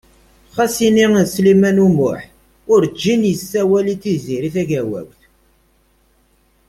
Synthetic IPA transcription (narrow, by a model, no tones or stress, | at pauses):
χæsininslimænumʊ̰ħ | ʊɾd͡ʒːinjəsːæwælit͡sːiziɾiθæʝæwæ̰wθ